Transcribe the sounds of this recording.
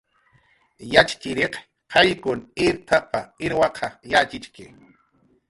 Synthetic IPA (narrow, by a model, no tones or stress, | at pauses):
jat͡ʃḁt͡ʃɪɾeq | qʰɑjkʊnɪɾt̪ʰapaɪɾwɑqʰɑjat͡ʃɪt͡ʃkɪ